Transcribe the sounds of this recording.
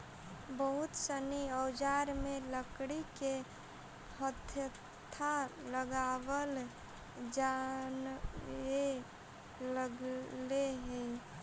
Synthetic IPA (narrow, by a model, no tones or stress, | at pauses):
bəɦut̪səniəʊd͡ʒaɾmeləkɽike | hət̪ʰjə | t̪ʰaləɡaʋəl | d͡ʒan | e | ləɡleɦɛ̃